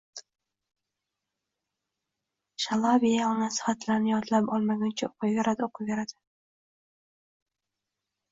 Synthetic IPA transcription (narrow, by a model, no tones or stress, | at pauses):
ʃalˠɑvijanasɪ̥hat̪ʰlaɾnɪjɒt̪lapɒlˠmaɡʲant͡ʃʰaoqʰʊjveɾad̪ɪoqʰʊveɾad̪̥ɪ